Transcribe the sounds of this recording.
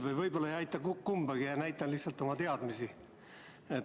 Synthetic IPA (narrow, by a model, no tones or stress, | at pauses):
vɯjvɤjbo̞lːɑejɑjt̪ːˑɑkkumbɑɡijɑnæjt̪ːˑɑnlihsɑlt̪ːˑo̞mɑt̪eɑd̪̥misi | e